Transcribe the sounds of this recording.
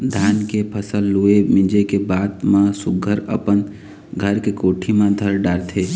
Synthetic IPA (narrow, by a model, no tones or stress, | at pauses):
d̪ʱaːnkepʰəsəlːuemɪ̃d͡ʒekebaːd̪mãsʊɡʱəɾə̰pən | ɡʱəɾkekoːʈʰimãd̪ʱəɾɖaːɾt̪ʰe